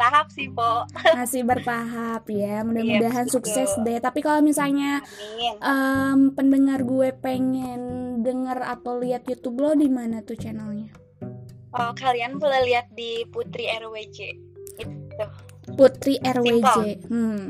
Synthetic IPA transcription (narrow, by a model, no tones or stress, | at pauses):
t̪aɦap̚sihpomasɪhbərt̪aɦapjamudahmudaɦansuksɛsdɛt̪apikalomisalɲaʔəmpəndəŋarɡuɛpeŋɛndəŋəra̰t̪awliat̪̚jut̪ublɔdimanat̪uht͡ʃɛnəlɲa | ʔokalianpulaliat̪̚diput̪ɾiɛrwed͡ʒe | it̪u | put̪ɾiʔɛrwed͡ʒem̩